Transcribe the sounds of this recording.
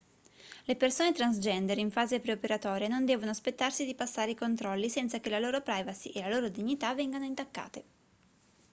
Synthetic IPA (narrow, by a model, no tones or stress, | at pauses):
lepersoːnet̪ɾansd͡ʒɛnd̪eɾiɱfaːzepɾeopeɾat̪ɔːɾjenond̪ɛːvonoaspet̪ːarsid̪ipasːaːɾeikont̪ɾɔlːisɛnt̪sak̟elaloːɾopɾajvasiʔelaloːɾod̪iɲːit̪avɛŋɡanoint̪akːa̰ːt̪e